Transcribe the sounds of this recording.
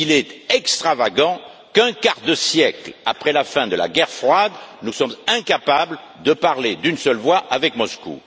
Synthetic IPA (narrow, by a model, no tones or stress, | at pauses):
ilɛt̪ɛkst̪χavaɡɑ̃ | kɛ̃kaʁd̪əsjɛklapχɛlafɛ̃d̪əla̰ɡɛʁfχwad̪nusɔmzɛ̃kapabl | d̪əpaʁled̪ynsœlvwaʔavɛkmɔskṵ